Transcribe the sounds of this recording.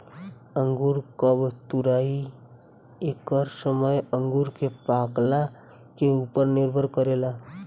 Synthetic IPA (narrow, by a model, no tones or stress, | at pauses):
ə̃ŋɡuɾkəbt̪uɾai | ekəɾsəməjə̃ŋɡuɾkepakla | keupəɾniɾbʱəɾkəɾela